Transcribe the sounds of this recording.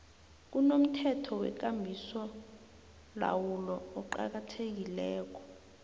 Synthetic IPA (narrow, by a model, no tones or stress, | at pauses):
k̬unom̩tʰɛtʰɔwɛ̰k̬ambʱisɔ | la̰wulɔːǃa̰k̬atʰek̬ilɛːk̬ɔ̥